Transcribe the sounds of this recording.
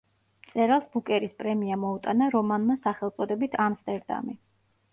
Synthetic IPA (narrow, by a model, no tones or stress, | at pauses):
t̪sʼɛɾalˠsbukʼɛɾispʼɾɛmiamɔut̪ʼanaɾɔmanmasaχɛlˠt̪sʼɔd̪ɛbit̪ʰamst̪ʼɛɾd̪a̰mi